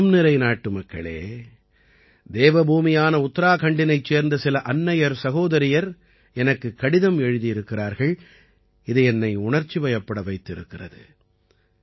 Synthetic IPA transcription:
mnɪɾɐɪnaːʈːɯmɐkːɐ̰ɭḛː | d̪eːʋɐbʱuːmɪjaːnɐʊt̪ːɐɾaːkɐɳɖɪnɐɪt͡ʃːeːɾnd̪ɐsɪlɐʔɐnːɐjɐɾsɐɣoːðɐɾɪjɐɾ | ɛnɐkːɯkːɐɽɪðɐmɛɻɯðijɪɾɯkːɪraːɾɣɐɭ | ɪðɯɛnːɐɪʊɳɐɾt͡ʃːiʋɐjɐpːɐɽɐʋɐɪt̪ːɪɾɯkːɪrɐ̰ðɯ̰

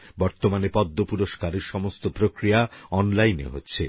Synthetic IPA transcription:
bɔɾt̪omanepɔd̪ʱːopuɾoʃkaɾeɾʃɔmost̪opɾokɾijaɔnlajnḛɦo̰tːɕʰḛ

